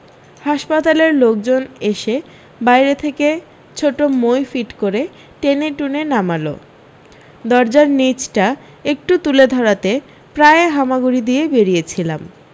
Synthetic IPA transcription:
haʃpat̪aleɾlok̚d͡ʑoneʃe | bajɾet̪ʰeke | t͡ɕʰoʈomojfiʈkoɾe | ʈeneʈunenamalo̰ | d̪ɔɾd͡ʑaɾnit͡ɕʈa | ek̚ʈut̪uled̪ʱɔɾat̪e | pɾaeɦamaɡuɾid̪iebeɾijet͡ɕʰilam

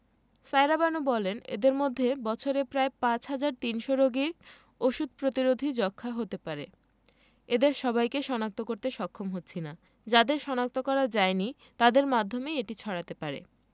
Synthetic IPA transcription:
sajɾabanobɔlenḛd̪eɾmod̪ʱːebɔt͡ɕʰoɾepɾaepãt͡ɕɦad͡ʑaɾt̪inʃoɾoɡiɾ | oʃud̪̚ʱpɾot̪iɾod̪ʱid͡ʑɔkʰːaɦot̪epaɾe | ed̪eɾʃɔbajkeʃɔnak̚t̪okoɾt̪eʃɔkʰːomɦotːɕʰina | d͡ʑad̪eɾʃɔnak̚t̪okɔɾad͡ʑaeni | t̪ad̪eɾmad̪ʱːomeeʈit͡ɕʰɔɽat̪epaɾḛ

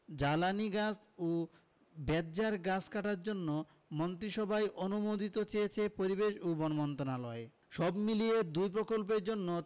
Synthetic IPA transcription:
d͡ʑalaniɡas | o | bɛd̪̚d͡ʑaɾɡasʰkaʈaɾd͡ʑonːo | mont̪ɾiʃɔbʱajʔonumod̪ʱit̪ot͡ɕejet͡ɕʰepoɾibeʃubonmɔnt̪onalɔe | ʃɔbmilied̪ujpɾokolpeɾd͡ʑonːo

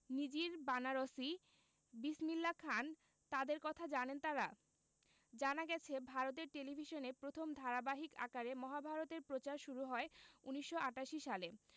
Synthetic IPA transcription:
nid͡ʑiɾbanaɾosi | bismilːakʰan | t̪ad̪eɾkɔt̪ʰad͡ʑanent̪aɾa | d͡ʑanaɡɛt͡ɕʰebʱaɾot̪̬eɾʈelibʱiʃonepɾot̪ʰomd̪ʱaɾabaɦika̰kaɾemɔɦabʱaɾot̪eɾpɾot͡ɕaɾʃuɾuɦɔeuniʃːoʔaʈaʃiʃale

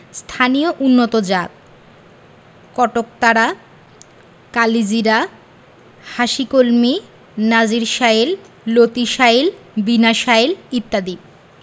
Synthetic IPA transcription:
st̪ʰanijoʔunːot̪od͡ʑat̪̚ | kɔʈok̚t̪aɾa | kalid͡ʑiɾa | haʃikolmi | nad͡ʑiɾʃael | lot̪iʃaelbinaʃaelit̪ːad̪ib̚

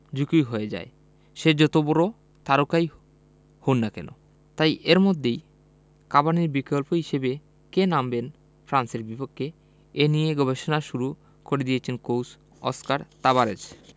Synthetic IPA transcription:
d͡ʑukujɦoed͡ʑa̰e | ʃed͡ʑɔt̪obɔɾo | t̪aɾukaj | honːakɛ̰no̰ | t̪ajʔeɾmod̪ʱːej | kabaniɾbikolpoɦiʃebe | kenamben | fɾanseɾbipokʰːe | enijeɡɔbeʃonaʃuɾu | koɾed̪ijet͡ɕʰenkows | ɔ̰skaɾt̪aβaɾed͡ʑ

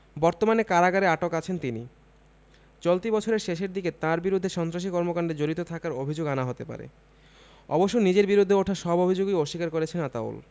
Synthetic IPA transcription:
bɔɾt̪omanekaɾaɡaɾeaʈokat͡ɕʰent̪inḭ | t͡ɕolt̪ibɔt͡ɕʰoɾeɾʃeʃeɾd̪iket̪ãɾbiɾud̪ʱːeʃɔnt̪ɾaʃ̬ikɔɾmokaɳɖed͡ʑoɾit̪ot̪ʰakaɾobʱid͡ʑoɡanaɦot̪epa̰ɾḛ | ɔ̰boʃːonid͡ʑeɾbiɾud̪ʱːeoʈʰaʃɔbobʱid͡ʑoɡioʃikaɾkoɾet͡ɕʰenat̪a̰ṵl

